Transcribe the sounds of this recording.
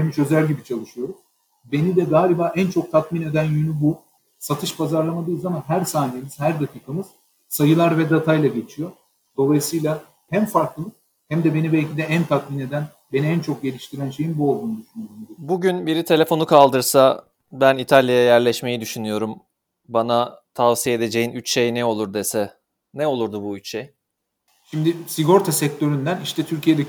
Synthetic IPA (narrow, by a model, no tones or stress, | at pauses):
hemiʃø̞zælʲɟibit͡ʃʰalˠɯʃɯjo̞ɾum | be̞nid̪ɛɡaːlʲibaːʔænt͡ʃʰo̞k̚t̪ʰat̪mine̞d̪ænjynybu | sat̪ʰɯʃpʰazaɾlˠamad̪ɯjzamanɦæɾsaːnemiz̥hæɾd̪acʰiːkʰamɯz̥ | sajɯlˠaɾvɛd̪et̪ʰajlˠaɟe̞t͡ʃʰijo̞ | d̪̥o̞lˠajɯsɯjlˠa | hæmfaɾklˠɯ | hæmd̪ɛbe̞nibɛlʲcʰid̪ɛænt̪ʰat̪̚mine̞d̪æn | beniænt͡ʃʰo̞k̚ɟe̞lʲiʃt̪ʰiɾænʃe̞jinbuolˠd̪uːnud̪yʃynyjoɾumd̪ibuɟynbiɾit̪ʰe̞lʲe̞fo̞nukʰalˠd̪ɯɾsa | bænit̪ʰalʲjajajæɾlʲɛʃme̞jid̪yʃynyjo̞ɾum | banat̪ʰavsijeed̪e̞d͡ʒe̞jinyt͡ʃʃe̞jnɛo̞lˠuɾd̪esɛ | nɛo̞lˠuɾd̪ubuyt͡ʃʃej | ʃimd̪ɪsiɡo̞ɾt̪ʰasɛc̚t̪ʰø̞ɾynd̪æniʃt̪ɛt̪ʰyɾcʰijed̪e